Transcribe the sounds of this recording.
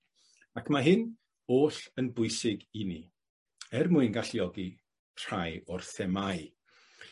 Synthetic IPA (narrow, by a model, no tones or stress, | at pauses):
akʰmaɦɪn | oːɬənbʊɨsɪɡini | ɛrmʊɨnɡaɬjɔɡi | r̥ajɔrθɛmaj